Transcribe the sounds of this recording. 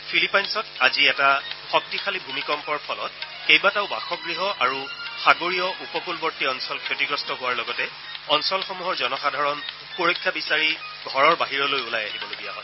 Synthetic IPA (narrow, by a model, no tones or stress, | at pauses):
pʰilipajnsɔtaziɛtaxɔk̚tixʰalibʱumikɔmpɔɹpʰɔlɔ̰t | kejbataʊba̰xɔɡɹiɦɔʔaɹuxaɡoɹijɔʔupɔkulbɔɹtiɔnsɔlkʰotiɡɹɔstɔɦʊwaɹlɔɡɔtɛ | ɔnsɔlxomuɦɔɹzɔnɔxadʱaɹɔn | poɹɔkʰːjabisaɹi | ɡʱɔɹɔɹbaɦiɹɔlojulajaɦibɔloɡija̰ɦɔ̰j